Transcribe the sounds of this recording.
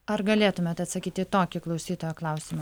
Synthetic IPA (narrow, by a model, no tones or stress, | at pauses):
ɐɾɡɐlʲeːt̪ʊmʲeːt̪ɐt̪sɐkʲiːt̪ʲɪt̪oːkʲɪklˠɒʊsʲiːt̪oːjoːklˠɑˑʊsʲɪmɐ